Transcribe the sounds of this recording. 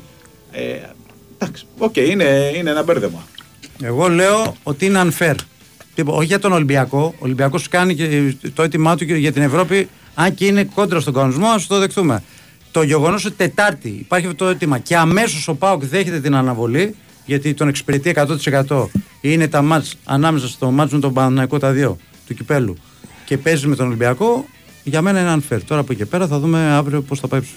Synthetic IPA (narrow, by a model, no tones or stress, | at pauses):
e | d̪̥ɐksi̥ocejineineenɐbeɾðemɐ | e̞ɣo̞le̞o̞ot̪iineɐnfe̞ɾ | t̪ipooçiʝɐt̪o̞nolimbiɐko̞ːlimbiɐko̞skɐnicet̪o̞et̪imɐt̪uʝɐt̪ine̞vɾo̞pi | ɐɲceineko̞nd̪ɾɐst̪o̞ŋɡɐnonizmo̞ɐsut̪oðe̞xtθume̞̰ | t̪o̞ʝe̞ɣo̞nos̬o̞t̪i̥t̪e̞t̪ɐɾt̪iːpɐɾçɐfot̪oet̪imɐce̞ɐme̞so̞so̞pɐokðe̞çe̞t̪et̪inɐnɐvo̞li | ʝɐt̪it̪o̞neksi̥peɾet̪ie̞kɐt̪o̞t̪i̥se̞kɐt̪o̞ | ine̞t̪ɐmɐt͡sɐ̰nɐme̞sɐst̪o̞mɐt͡smet̪obɐnθnɐiko̞t̪ɐðio̞ | t̪ucipe̞lṵ | ce̞pe̞zizme̞t̪onolimbiɐko̞ | ʝɐme̞nɐineɐnfeɾt̪o̞ɾɐpuice̞pe̞ɾɐθɐðume̞ɐvɾio̞posθɐpɐipsu̥